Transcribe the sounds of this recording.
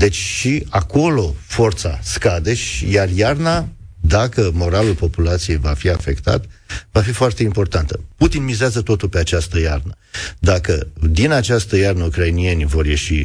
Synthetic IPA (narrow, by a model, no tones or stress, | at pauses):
d̪e̞t͡ʃʲʃiako̞lo̞fo̞rt̪sa̰skad̪e̞ʃijarjarnad̪akəmo̞ɾalulpo̞pulat̪sije̞jvafiafe̞kt̪a̰t̪vafifoart̪e̞impo̞rt̪ant̪əput̪inmizeazət̪o̞t̪ulpe̞at͡ʃast̪əjarnə | d̪akəd̪inat͡ʃast̪əjarnəukɾainie̞nʲvo̞rje̞ʃi